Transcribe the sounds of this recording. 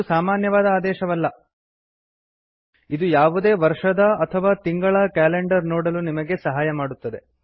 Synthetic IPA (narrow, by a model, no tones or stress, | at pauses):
saːmaːnjɐʋaːd̪ɐaːd̪ɛːʃɐʋɐlːɐ | id̪ujaːʋud̪e̞ːʋɐɾʂɐd̪ɐɐt̪ʰɐʋaːt̪iŋɡɐɭɐkaːleɳɖɐɾnoːɽɐlunimɐɡe̞sɐɦaːjɐmaːɽut̪ːɐd̪e̞